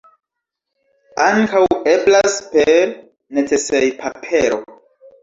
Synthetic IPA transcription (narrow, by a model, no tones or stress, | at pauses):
aŋkawe̞blaspe̞ɾ | net͡se̞sejpʰapʰe̞ɾo̞̰